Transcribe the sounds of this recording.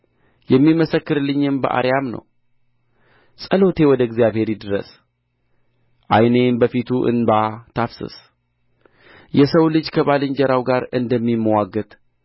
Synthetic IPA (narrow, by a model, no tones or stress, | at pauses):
jɛmːiməsəkːɨɾɨlːɨɲːɨmbəʔa̰ɾjamnə̰w | sʼəlo̞t̪ʰe̞wɔd̪əɡzijaβhe̞ɾid̪ɨɾə̰s | ʔa̰jnembəfit̪ʰuʔɨ̰nbat̪ʰafsɨ̰s | jɛsəwlɨd͡ʒkʰəβalɨɲd͡ʒɛɾawɡaɾɨnd̪əmːimːəwaɡːət̪ʼ